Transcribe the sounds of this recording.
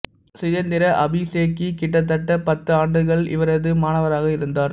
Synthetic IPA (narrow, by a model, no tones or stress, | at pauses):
sɪjɐnd̪ɪɾɐʔɐbiseːkːikɪʈːɐt̪̬ːɐʈːɐpɐt̪ːɯaːɳɖɯɣɐɭɪ̰ʋɐɾɐðɯmaːnɐʋɐɾaːɣɐɪɾɯnd̪aːɾ